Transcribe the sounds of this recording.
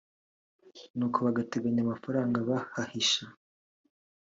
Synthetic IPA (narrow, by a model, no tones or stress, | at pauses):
nuːkʰoβaɡateɡaɲamafaɾaːŋɡaβahahiʃa